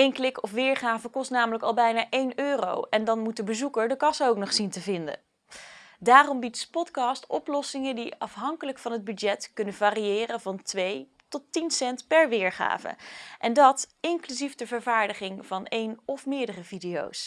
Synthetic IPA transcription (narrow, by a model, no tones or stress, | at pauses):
ejnklɪkɔfʋɪːɹχaːvəkɔstnaːmələkɑlˠbɛjnaːʔejnøːro̰wɛndɑnmut̚dəbəzukəɹdəkɑsowknɔχsintəvɪndə̰ | daːrɔmbitspɔtkɑstɔplɔsɪŋədiɑfɦɑŋkələkfɑnɦəd̚bydɛtkɵnəvaːriɪːrəvɑntʋej | tɔtinsɛntpɛɹʋɪːɹχa̰ːvə̰ʔɛndɑtɪŋklyzifdəvəɹvaːɹdəχɪŋvɑnejnɔfmɪːɹdərəvidijo̰ws